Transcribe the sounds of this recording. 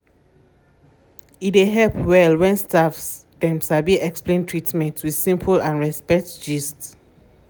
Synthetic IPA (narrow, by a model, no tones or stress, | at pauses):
ideɦɛlpwɛlwɛ̃nstafs | d̥ɛ̃msabiɛksplẽntʰɹitmɛ̃ntwið̥sĩmpʰulãnɹɛspɛk̚td͡ʒists